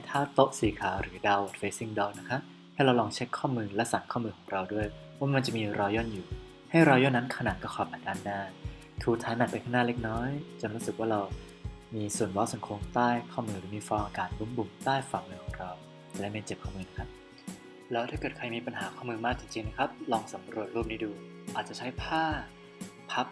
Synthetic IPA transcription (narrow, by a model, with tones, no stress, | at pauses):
t̪ʰaː˥˩t̪o˦˥ʔ̚siː˨˩˦kʰaː˨˦wɾɯː˩˦da˧wweː˧si˥˩ŋdɔː˧˩na˦˥kʰa˦˥ʔ | t̪ʰaː˥˩ɾa˧wlɔː˧ŋt͡ɕʰe˦˥kʰːɔː˥˩mɯː˧lɛ˦˥sa˨˩˦nkʰɔː˥˩mɯː˧kʰɔː˩˦ŋɾa˧wdu˥˩əj | waː˥˩ma˧nt͡ɕa˨˩miː˧ɾɔː˧jɔː˥˩njuː˨˩ | ha˥˩jɾɔː˧jɔː˥˩˨nːa˦˥nkʰa˧naː˨˩t̪̚kɔ˥˩kʰɔː˨˩p̚ʔa˨˧˩kaː˧nːaː˧˩ | t̪ʰuː˨˩k̚t̪ʰaː˨˦na˨˩t̚pa˧kʰa˥˩naː˥˩le˦˥k̚nɔː˦˥jt͡ɕo˧nɾuː˦˥sɯ˨˩k̚waː˥˩ɾa˧w | miː˧su˨˩ənwa˦˥wsa˨˦nkʰo˧ŋt̪aː˥˩jkʰɔː˥˩mɯː˧ɾɯː˨˩˦miː˧fɔː˧ŋʔa˧kaː˨˩n̚lu˧˦˥mbu˨˩mt̪aː˥˩jfaː˨˩ŋmɯː˧kʰɔː˩˦ŋɾa˧w | lɛ˦˥me˧t͡ɕe˨˩p̚kʰɔː˥˩mɯː˧na˦˥kʰa˦˥p̚ | lɛː˦˥wt̪ʰaː˥˩kɤː˨˩t̚kʰa˧˥jmiː˧pa˧nhaː˩˦kʰɔː˥˩mɯː˧maː˥˩k̚t͡ɕi˧ŋt͡ɕi˧ŋna˦˥kʰa˦˥p̚lɔː˧ŋsa˩˦mɾu˨˩ət̪̚ɾu˥˩p̚niː˦˥duː˧˩ | ʔaː˨˩t̪̚t͡ɕa˨˩t͡ɕʰa˦˥jpʰaː˥˩ | pʰa˦˥p̚